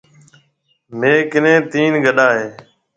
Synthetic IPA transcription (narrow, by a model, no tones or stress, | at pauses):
meːkɪnẽːt̪iːnɡəɗaːɦeː